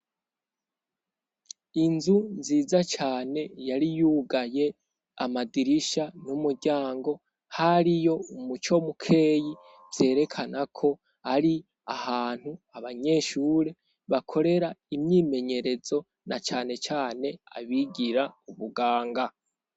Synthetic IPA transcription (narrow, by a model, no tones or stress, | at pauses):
inzunziːzat͡ʃaːne̞jaɾijuːɡaje̞ | a̰madiɾiʃanumuɾɟaːŋɡo̞ | haɾijo̞umut͡ʃo̞mukʰe̞ːji | vz̥e̞ːɾe̞kʰanakʰo̞ | aɾi | ahaːn̥huaβaɲe̞ːʃuːɾe̞ | βakʰo̞ɾe̞ɾaimɲiːme̞ɲe̞ɾe̞zo̞ | nat͡ʃaːne̞t͡ʃaːne̞a̰βiɡiɾauβuɡaːŋɡa